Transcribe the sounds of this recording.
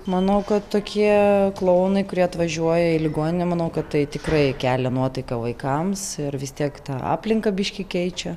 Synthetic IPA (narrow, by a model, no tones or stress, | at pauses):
mɐnɐʊkɐt̪tːoːkʲʰiɛklˠɐʊnɐɪkʊɾʲiɛɐt̪ʋɐʒʲuɔjɛɪlʲɪɡoːnʲɪnʲɛmɐnɐʊkɐt̪t̪ɐɪt̪ʲɪkrɐɪkʲæːlʲɛnuɔt̪ɐɪkɐʋɐɪkɐmsɪrʋʲɪst̪ʲiɛkt̪ɑːɑ̰ːpʲlʲɪŋkɐbʲɪʃʲkʲɪkʲɛɪt͡ʃʲɛ